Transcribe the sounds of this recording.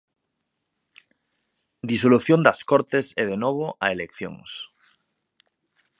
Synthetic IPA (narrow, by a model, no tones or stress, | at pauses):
d̪isoluθjond̪askoɾt̪eseð̞enoβ̞oʔaelekθjo̰ŋs